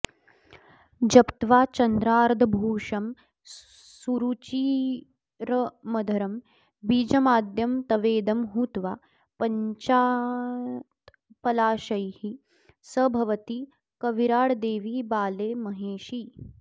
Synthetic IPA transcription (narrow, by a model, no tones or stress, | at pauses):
d͡ʒɐpt̪ʋaːt͡ʃɐnd̪ɾaːɾd̪ʱɐbʱuːʂɐm | suɾut͡ʃiː | ɾɐmɐd̪ʱɐɾɐm | biːd͡ʒɐmaːd̪ʱjɐmt̪ɐʋeːd̪ɐmɦuːt̪ʋaː | pɐɲt͡ʃaː | t̪ | pɐlaːʃɐjhi | sɐbʱɐʋɐt̪i | kɐʋiɾaːɽd̪eːʋiːbaːleːmɐɦeːʃi